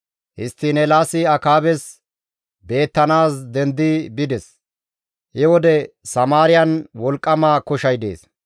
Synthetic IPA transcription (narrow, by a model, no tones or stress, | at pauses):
hɪst̪ːinɛlaːsɪɐkaːbɛs | be̞ːt̪ːɐnaːsd̪ɛnd̪ɪbɪd̪ɛs | hɪwɔd̪ɛsɐmaːɾɪjɐnwɔlkʼːɐmaːkʊʃɐjd̪ḛːs